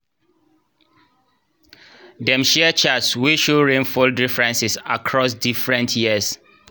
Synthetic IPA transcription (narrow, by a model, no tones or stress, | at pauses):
dɛ̃mʃɛət͡ʃatswiʃuɹẽnfoldɹifɹɛ̃nsisakʰɹɔsdifɹɛ̃ntʰjɛəs